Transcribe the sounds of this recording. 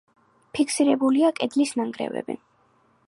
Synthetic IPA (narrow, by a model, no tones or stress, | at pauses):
pʰikʰsiɾɛbuliakʼɛd̪lisnaŋɡɾɛ̰vɛ̰bḭ